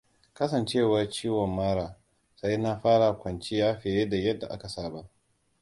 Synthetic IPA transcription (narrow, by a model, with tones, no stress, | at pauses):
kɐ˦sɐ˨nt͡ʃeː˦˨wa˦t͡ʃiː˦wɔ˨mːaː˦ɽaː˨ | sa˦jna˦ɸaː˦ɽa˨kʷɐ˨nt͡ʃi˦jaː˦ɸe˨je˦da˨jɐ˦dːa˨ʔa˦ka˨saː˦ba˦ʔ